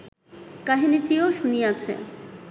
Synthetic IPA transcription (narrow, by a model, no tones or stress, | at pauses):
kaɦinitioʃuniat͡ɕʰḛ